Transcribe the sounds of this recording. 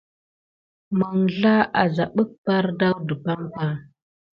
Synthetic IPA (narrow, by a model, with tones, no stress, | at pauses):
mə˨ŋɮa˦a˨za˨ɓə˦k̚pa˦ɾda˦wdə˨pa˦mpa˦